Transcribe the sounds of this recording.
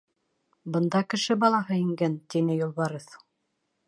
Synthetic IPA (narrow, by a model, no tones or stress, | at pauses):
bɤ̆nd̪ɑkɘ̆ʃɘbɑlˠɑɦɤiŋɡænt̪inɘjulˠβɑɾɤθ